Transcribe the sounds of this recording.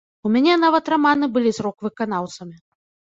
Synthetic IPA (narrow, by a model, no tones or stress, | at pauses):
umʲanʲɛnavɐt̪ramanɨbɨlʲizɾɔkvɨkanawt̪sɐmʲi